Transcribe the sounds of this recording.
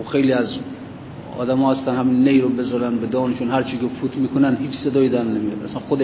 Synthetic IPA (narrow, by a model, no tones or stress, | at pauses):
oxe̞jliæz | ɒ̰ːd̪æmɒːhæst̪ænhæmiːnːejɾobezɒɾænbed̪ɒːnt͡ʃʰonhæɾt͡ʃʰikʲefʰut̪ʰmiːkʰonænd̪hiːt͡ʃʰsed̪ɒːid̪ænnemijɒ̰d̪æsænxod̪e